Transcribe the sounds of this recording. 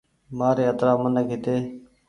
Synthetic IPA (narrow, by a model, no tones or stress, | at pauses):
maːɾeːət̪ɾaːmənəkɪt̪eː